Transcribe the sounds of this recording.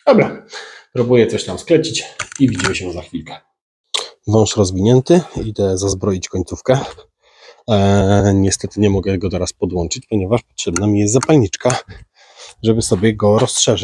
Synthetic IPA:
d̪̥ɔbɾapɾubujɛt̪sɔɕt̪amsklɛɲt͡ɕit͡ɕivʲid͡ʑimɘɕɛuzaxfʲilkɛ̥ | vɔ̃w̃ʂɾɔzvʲiɲɛnt̪ɘid̪ɛzazbɾɔjit͡ɕkɔɲt̪sufkɛ | ɲɛst̪ɛt̪ɘɲɛmɔɡɛɡɔt̪ɛɾaspɔd̪wɔnt͡ʂɘt͡ɕpɔɲɛvaʂpɔ̥tʂɛbnamʲijɛst̪zapalɲit͡ʂka | ʐɛbɘsɔbʲjɛɡɔɾɔstʂɛʐɘ

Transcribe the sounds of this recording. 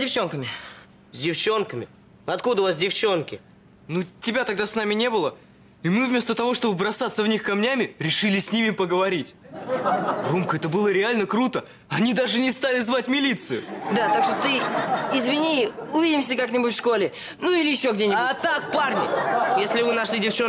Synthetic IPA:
zʲdʲɪft͡ɕo̞nkəmʲɪ | zʲdʲɪft͡ɕo̞nkəmʲɪ̰ | ɐt̪kud̪əvasdʲɪft͡ɕo̞nkʲɪ | nutʲɪbʲat̪ɐɡd̪asnamʲɪnʲe̞bɨlˠə | imɨvmʲe̞st̪ət̪ɐvo̞ʂt̪o̞bɨbɾɐsat̪səvnʲixkɐmnʲamʲɪɾʲɪʂɨlʲɪsʲnʲimʲɪpəɡəvɐɾʲitʲ | ɡumkəɛt̪əbɨlˠəɾʲɪalʲnəkɾut̪ə | ɐnʲid̪aʐɨnʲɪst̪alʲɪzvatʲmʲɪlʲit̪sɨjʊ̰d̪at̪akʂt̪ot̪ɨɪzvʲɪnʲiʊvʲidʲɪmsʲəkaknʲɪbʊtʲfʂko̞lʲɪ | nuilʲɪjɪɕːo̞ɡdʲenʲɪbat̪ak̚parnʲɪ̰jesʲlʲɪvɨnɐʂlʲidʲɪft͡ɕo

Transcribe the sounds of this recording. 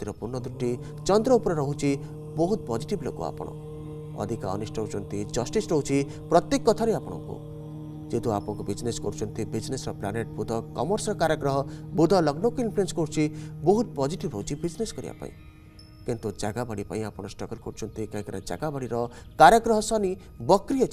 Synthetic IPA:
t̪iɾɔpuɾnːɔd̪uʈi | t͡ʃɔnd̪ɾɔupɔɾɔɾɔɦut͡ʃʰi | bɔɦut̪̚pɔd͡ʒiʈiblokṵa̰pɔ̰ɽ̃ɔ̰ | ɔ̰d̪ʱika̰ɔ̰nisʈʰɔɦut͡ʃʰɔnt̪id͡ʒɔsʈisɾɔɦut͡ʃʰi | pɾɔt̪jekːɔt̪ʰaɾeapɔɽ̃ɔ̰ŋkṵ | d͡ʒet̪uapɔɔ̃kubid͡ʒneskɔɾut͡ʃʰɔnt̪ibid͡ʒnesɾɔpla̰neʈ̚bud̪ʱɔkɔmɔɾsɔɾɔkaɾjɔɡɾɔɦɔbud̪ʱɔlɔɡnɔkuinpʰluenskɔɾut͡ʃʰibɔɦut̪̚pɔd͡ʒiʈibɾɔɦut͡ʃʰibid͡ʒneskɔɾḭa̰pa̰ḭ̃ | kint̪ud͡ʒaɡabaɽipa̰ĩapɔɽ̃ɔsʈɔɡɔlkɔɾut͡ʃʰɔnt̪ikɔĩkɔna̰d͡ʒa̰ɡabaɽiɾɔkaɾjɔɡɾɔɦɔsɔni | bɔkɾijɔt͡ʃʰ

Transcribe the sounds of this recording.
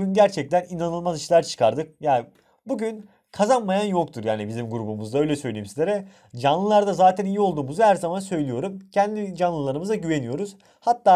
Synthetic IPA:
ynɟæɾt͡ʃʰɛc̚t̪ʰæninanɯlˠmaziʃlˠaɾt͡ʃʰɯ̥kʰaɾd̪ɯk̚jaː | buɟyn | kʰazanmajanjo̞k̚t̪ʰuɾjaːnibizimɡuɾubumuzd̪aø̞jlʲɛsø̞jlʲejimsizʲeɾɛ | d͡ʒanlˠɯlˠaɾd̪azaːt̪ʰænijio̞lˠd̪uːmuzuhæɾzamansø̞jlʲijo̞ɾumcʰɛnd̪id͡ʒanlˠɯlˠaɾɯmɯzaɟyve̞nijo̞ɾuz̥ | hat̪ːaː

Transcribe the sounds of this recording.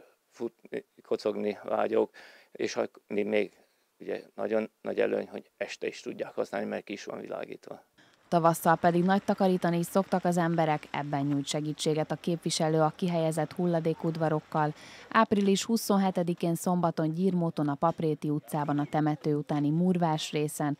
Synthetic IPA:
fut̪nikʰo̞t̪so̞ɡniva̰ːɟoːkeːʃɒmimeːɡ | uɟɛ̰nɒ̰ɟonːɒɟɛ̰lø̰ːɲho̞̰ɟɛʃt̪ɛiʃt̪uɟːaːkhɒsnaːlnimɛrkiiʃʋɒ̰ɱvila̰ːɡḭːt̪ʋɒ | t̪ɒvɒsːɒlpɛd̪iɡnɒc̚t̪ɒkɒɾiːt̪ɒniso̞kt̪ɒkɒzɛmbɛɾɛkɛ̰bːɛɲːuːjcʃɛɡiːt͡ʃːeːɡɛt̪ɒkeːpvʋiʃɛløːɒkiɦɛjɛzɛt̪hulːɒd̪eːkud̪ʋɒɾo̞kːɒlaːpriliʃhuso̞nɦɛt̪ɛd̪ikeːnso̞mbɒt̪o̞ɲɟiːrmoːt̪o̞nɒpɒpreːt̪iut̪saːbɒnɒt̪ɛmɛt̪øːut̪aːnimurvaːʃreːsɛn

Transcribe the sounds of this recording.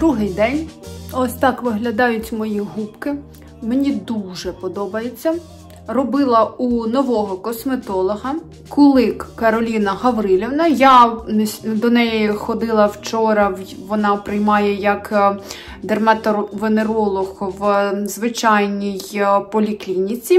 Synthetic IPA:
d̪ɾuɦɪjd̪ɛnʲɔsʲt̪ɑkʋɪɦlʲɐd̪ɑjʊtʲmɔjiɦupkɪ | menʲid̪uʒɛpɔd̪ɔbɐjet͡sʲːɐ | rɔbɪlˠɐunɔʋɔɦɔkɔsmet̪ɔlˠɔɦɐ | kɔlˠɪkkɐɾɔlʲinɐɦɐʋɾɪlʲɪʋnɐja | d̪ɔnɛjixɔd̪ɪlˠɐwt͡ʃɔɾɐʋɔnɑpɾɪjmɑjɛjɐk | d̪ermɐt̪ʋeneɾɔlˠɔxʋzʋɪt͡ʃɑjnʲijpɔlʲiklʲinʲit͡sʲi

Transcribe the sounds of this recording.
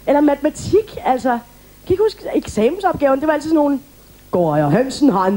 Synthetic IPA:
elɐmæt͡sʰemæt͡sʰiɡ̥æl̰sɐ | kʰæiɡ̥husɡ̥eɡ̥sɛ̰ːmn̩sɒ̽b̥̚ɡ̥ɛ̰ːʊnəd̥eʋɑ̈ælt͡sʰisno̝ːn̩ | ɡ̥oɒɦønsn̩ɦɑ̈n

